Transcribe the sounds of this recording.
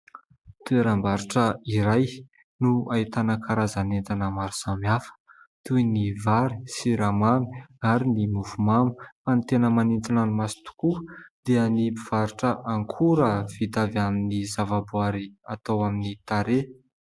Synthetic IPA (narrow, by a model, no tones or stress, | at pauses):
t̪ueɾambaɾuʈ͡ʂəiɾaj | nuait̪anəkʰaɾazanent̪anəmaɾusamiafə̥ | t̪ujnivaɾi̥siɾamami̥aɾinimufumamuanit̪enəmanint͡s̪inanumasi̥t̪u̥kud̪̥eanibiv̥aɾuʈ͡ʂəʔaŋkʰuɾəv̥it̪avaminizavabuaɾiat̪awaminit̪aɾe